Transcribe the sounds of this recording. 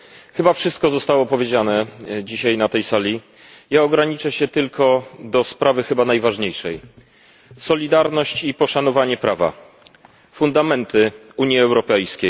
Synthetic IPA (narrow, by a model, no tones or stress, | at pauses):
xɘbafʂɘst̪̚kɔzɔst̪awɔpɔvʲjed͡ʑanɛd͡ʑiɕajnat̪ɛjsalʲi | jaɔɡɾaɲit͡ʂɛɕɛt̪ɘlkɔd̪ɔspɾavɘxɘbanajvaʐɲejʂɛj | sɔlʲid̪aɾnɔɕt͡ɕipɔʂanɔvaɲɛpɾʔava̰ | fund̪amɛnt̪ɘ | uɲjiɛwɾɔpɛjskʲej